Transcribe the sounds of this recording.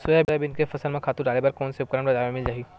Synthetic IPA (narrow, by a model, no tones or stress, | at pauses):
sʊjabɪɾabɪnkefɐsəlmẽkʰaːt̪ũɖaːlebaɾkɔːnseʊp̚kɾəmɾɐd͡ʒaːmẽmɪld͡ʒaːɦi